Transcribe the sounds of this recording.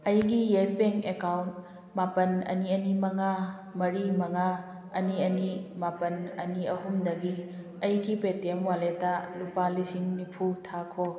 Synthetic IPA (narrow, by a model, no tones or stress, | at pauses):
ɐjɡijesbeŋkekawnt | mapɐnɐ̰niɐnimɐŋa | mɐɾimɐŋa | ɐniɐnimapɐnɐniɐɦumdɐɡi | ɐjɡipetemwaletalupalisiŋnipʰutʰakʰo